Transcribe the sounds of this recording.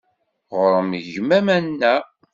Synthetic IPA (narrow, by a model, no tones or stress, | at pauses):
ʁəɾəmʝmæmænːæ